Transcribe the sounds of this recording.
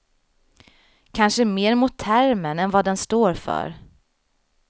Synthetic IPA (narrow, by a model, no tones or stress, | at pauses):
kʰanʂəmeːɾmʊt̪ʰːæɾmənɛnvad̪ɛnst̪oːɾfœ̰ɾ